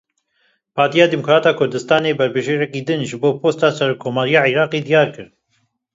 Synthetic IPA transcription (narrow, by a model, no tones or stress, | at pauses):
pʰɑːɾt̪ijɑːd̪imʊkɾɑːt̪ɑːkʰʊɾd̪ɨst̪ɑːneːbɛɾbɨʒeːɾɛkiːd̪ɨnʒɨboːpʰoːst̪ɑːsɛɾoːkʰːoːmɑːɾijɑːʕiɾɑːqeːd̪ijɑːɾkɨɾ